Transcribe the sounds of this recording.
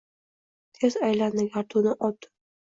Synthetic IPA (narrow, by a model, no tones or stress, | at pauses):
t̪ʰezajland̪ɪɡʲaɾt̪ʰʊnɪʔɒt̪ʰːɪ̥